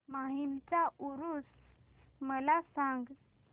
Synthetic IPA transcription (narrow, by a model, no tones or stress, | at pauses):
maɦimt͡sauɾus | məlasaŋɡ